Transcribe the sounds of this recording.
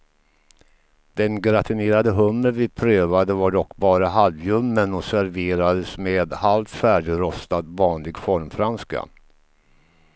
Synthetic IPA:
d̪̥ɛnɡɾat̪ʰɵneːɾad̪əɦɵmːəɾvɪpʰɾøːvad̪əvaɖɔkːbɑːɾaɦalvjɵmːənɔsæɾveːɾad̪əsmeːd̪halt̪fæːɖɪɡɾɔst̪ad̪vɑːnlɪɡfɔɾmfɾanska̰

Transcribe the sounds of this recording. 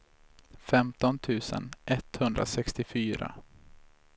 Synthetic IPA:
fɛmt̪ɔnt̪ʰʉ̟ːsə̰nʔɛt̪ːhɵnd̪ɾa̰sɛkst̪ɪfyːɾa̰

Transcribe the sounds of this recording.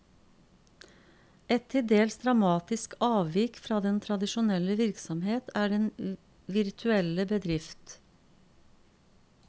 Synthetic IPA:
ɛt̪ʰːɪld̪eːlsd̪ɾɑmɑːt̪ɪskɑːʋʋɪkfɾɑːd̪ɛnt̪ʰɾɑd̪ɪʃʊnɛləʋɪɾksɔmheːt̪ʰæːɖɛn | ʋɪɾt̪ʰʉɛləbəd̪ɾɪft̪

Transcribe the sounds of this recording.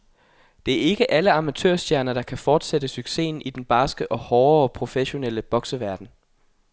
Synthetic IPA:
d̥e̝æɐe̝ɡ̥əʔæləɑ̈mæt͡sʰø̰ɐsd̥jæɐnɐd̥ɑ̈kʰæfɒːd̥sedəsyɡ̥se̝̰ːn̩id̥enb̥ɑ̈ːsɡ̥əʔɒ̽hɒːɐpʰʁo̝feɕo̝nel̰əb̥ɒ̽ɡ̥səʋæɐd̥n̩

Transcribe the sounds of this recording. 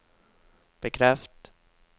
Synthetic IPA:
b̥ɛkʰɾɛft̪

